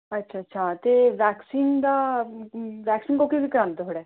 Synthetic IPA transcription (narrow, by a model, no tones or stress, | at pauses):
ətːʃʰaːətːʃʰaːt̪eːʋɛːksiːnd̪aː | ʋɛːksiːnkokiʋikəɾãːnd̪eɦoːɽɛː